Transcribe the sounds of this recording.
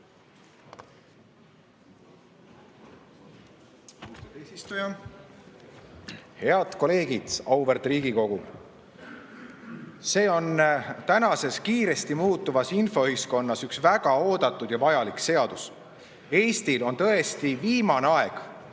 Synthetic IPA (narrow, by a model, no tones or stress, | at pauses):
ut̪esist̪ujɑ | he̞ɑd̪̥ko̞le̞ːɡ̥id̪̥ɑwverd̪riːɡ̥iko̞ɡ̥u | se̞ːo̞nt̪ænɑse̞skiːɾe̞st̪imuːt̪ːˑuvɑsinfo̞yhisko̞nːɑsyksvæɡ̥ɑo̞ːd̪ɑt̪ːˑud̪̥jɑvɑjɑlikse̞ɑd̪̥us | e̞jst̪ilo̞nt̪ɤ̞est̪iviːmɑneɑe̞ɡ̥